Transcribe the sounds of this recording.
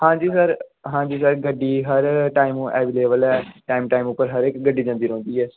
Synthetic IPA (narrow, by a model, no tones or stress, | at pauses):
hãːd͡ʒiːsəɾɦãːd͡ʒiːsəɾɡəɖːiːɦəɾʈaːɪm̃ːʔɛːʋiːleːʋəlɛːʈaːimʈaːimʊpːəɾɦəɾekɡəɖiːd͡ʒãːnd̪iːɾõːnd̪iːɛː